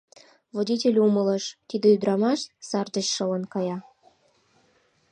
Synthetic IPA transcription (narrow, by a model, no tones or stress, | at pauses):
vodʲitʲelʲumələʃt̪id̪ə̆yd̪ɾɑmɑʃsɑrd̪ə̆t͡ɕʃɤ̆lə̆nkɑjɑ